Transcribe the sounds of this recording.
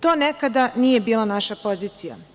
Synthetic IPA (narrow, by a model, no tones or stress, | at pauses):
t̪oːnekad̪anije̞biːlˠanaʃapo̞ziːt̪sija̰